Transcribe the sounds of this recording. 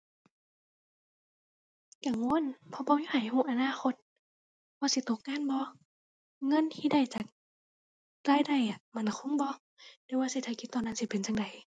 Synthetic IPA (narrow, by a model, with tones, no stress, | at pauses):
ka˧˩ŋu˧˥ə˨npʰɔ˧˦bɔː˧˦ju˧˨ha˨˩jhuː˧˨ʔa˧naː˧˥˨xʰo˧t̪̚ | bɔː˧˦si˧˦t̪o˨˧˦k̚ŋaː˧˥˨nbɔ˧˦ | ŋɤ˧˥˨nt̪ʰiː˧˨da˧˩jt͡ɕa˨˩k̚ | ɾaː˧˥˨jda˧˩˨jʔa˨˩˨ma˧˩na˨kʰo˧˥˨mbɔː˧˦ | da˧˦waː˧si˧˩t̪ʰa˧˩kʰi˧t̪ːɔː˧˨nːa˧˥˨nsi˧˦pe˨nt͡ɕa˨˧˨ŋda˨˩j